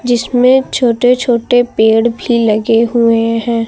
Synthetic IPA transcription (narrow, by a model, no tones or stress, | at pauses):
d͡ʒɪsmẽt͡ʃʰoːʈet͡ʃʰoːʈepeːɽbʱilɐɡeɦueɦɛ̃ː